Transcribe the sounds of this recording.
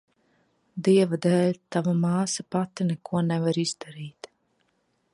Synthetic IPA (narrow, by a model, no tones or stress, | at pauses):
d̪iɛvad̪ɛːlʲt̪avamaːsapat̪inɛkuɔnɛvaɾiz̥d̪aɾiːt̪